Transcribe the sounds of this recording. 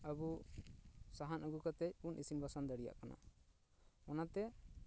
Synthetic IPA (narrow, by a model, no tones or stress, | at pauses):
əbu | saɦanʔəɡukat̪ɛc̚unʔisinbasand̪əɽija̰ʔkana̰ | ɔnat̪ɛ